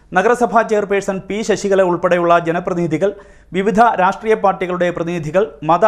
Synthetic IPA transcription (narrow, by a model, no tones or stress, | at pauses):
nɐɡɐɾɐsɐbʱaːt͡ɕeːrpeːsɐnpiːɕɐɕiɣɐɭeuɭpeɽɐjuɭːɐd͡ʑenɐprɐðinid̪ʱiɣɐɭ | ʋiʋid̪ʱɐɾaːʂʈriːjɐpaːrʈːiɣɐɭuɽe̞prɐðinid̪ʱiɣɐɭmɐðɐ